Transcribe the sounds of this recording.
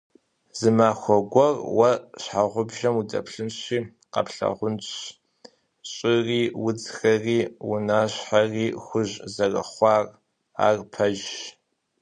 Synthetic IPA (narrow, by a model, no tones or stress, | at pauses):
z̥ɨmaːxʷɔɡʷɐrwɐɕħaʁʷʊbʒɐmudɐ̰pʰɬɨnɕiː | qɐ̰pɬɐ̰ʁʷʊnt͡ɕ | ɕʼɪriːwʊd͡zxɐriːwʊnaːɕħariːxʷʊʑzɐrɐ̰χʷɑːr | a̰ːrpʰɐʒ